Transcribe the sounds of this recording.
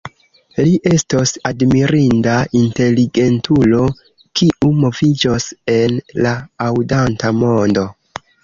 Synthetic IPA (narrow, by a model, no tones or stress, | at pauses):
liʔe̞stosadmiɾindaʔinte̞liɡe̞ntʰulo̞ | kiʔumo̞vid͡ʒose̞nlaːwdantamo̞ndo̞